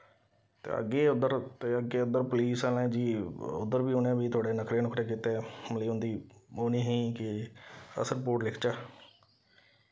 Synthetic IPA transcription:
t̪ḛːə̰ɡːeːʊd̪əɾt̪eːəɡeːʊd̪əɾpʊliːsaːlẽːd͡ʒiːʊ̰d̪əɾbiːʊnẽːʋiːt̪ʰʊaːɖeːnəkɾeːnʊkɾeːk̬iːt̪eːməliːʊ̃nd̪iːoːniːɦĩːkɪə̰səɾpoːʈlɪkʰt͡ʃaː

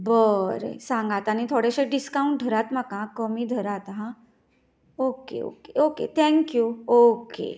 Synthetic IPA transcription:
bəɾḛsãŋɡat̪añit̪ʰoɽeɕeɖiskaũɳʈ̚ɖʱəɾat̪m̤akãkəmiːd̪ʱəɾat̪ɦã | okḛo̰keokḛt̪ʰɛ̃ŋkjuokḛ

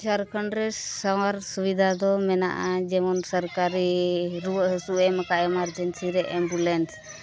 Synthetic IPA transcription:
saɾkʰɔɳɾɛsawaɾsubid̪ʱad̪ɔmɛna̰ʔad͡ʒɛmɔnsəɾkaɾiɾuɦəsuɛmakaɛmaɾd͡ʒɛnsiɾɛʔɛmbulɛns

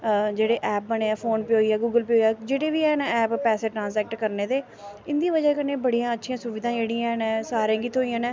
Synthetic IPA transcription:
d͡ʒeːɽeːʔɛːp̚bəneːaːpʰoːnpiɦoːiaːɡuːɡəlpiːɦoːiaːd͡ʒeːɽeːʋiːɛːnɛ̃ɛːppɛːseːʈɾãːnsɛːk̚ʈkəɾneːd̪eː | ɪnd̪iːʋəd͡ʒəkənːeːbəɽijãːətːʃʰijãːsʊʋɪd̪ãːd͡ʒeːɽiːãːnɛ̃ːsaːɾẽːɡiːt̪ʰoːijãːnɛ̃ː

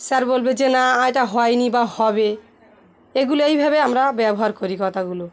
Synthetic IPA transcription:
saɾbolbed͡ʑenaajʈaɦɔjnibahɔbe | eɡuloejbʱabeamɾabɛboɦaɾkoɾikɔt̪ʰaɡulo

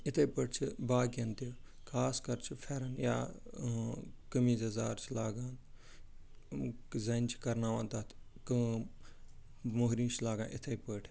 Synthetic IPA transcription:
ɪt̪ʰepəːʈ̚ʰt͡ʃʰibaːɡɐnt̪i | kʰaːskɐɾt͡ʃʰifʰɛːɾɐnja̰ː | kəmiːzɐzaːɾt͡ʃʰilaːɡãːn | zɐnt͡ʃʰi̥kɐɾnaːʋãːnt̪aːt̪ʰ | kə | moɦɾĩːnt͡ʃʰlaːɡã̰nʔɪt̪ʰɐipəːʈʰ

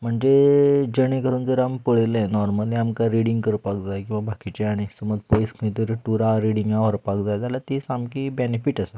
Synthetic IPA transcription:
m̤əɳd͡zed͡ʑəɽ̃ekəɾuːnd͡zəɾampəɭelnɔɾməlĩamkaɾiɽĩŋɡkəɾpakd͡zajkĩw̃ʋabʱakit͡ɕeaɽ̃isəməd͡zpojskʰə̃t̪iɾʈuɾaɾiɽĩŋɡaɦəɾpak̚d͡zajd͡zalat̪isamkibenefiʈasə

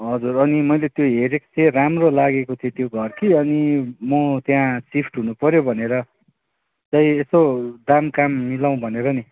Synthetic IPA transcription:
ɦʌd͡zurʌnimʌjlet̪joɦeɾekt͡seramrolaɡekot̪ʰet̪joɡʱʌrkiʌnimʌt̪jãsipʰʈɦunupʌɾjobʱʌneɾʌ | t͡saj̃esod̪amkamːilaw̃bʱʌneɾʌni

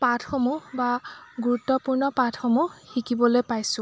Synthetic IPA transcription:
patʰxomubaɡuɹutːɔpuɹnɔpatʰxomuxikibɔlojpajsʊ̃

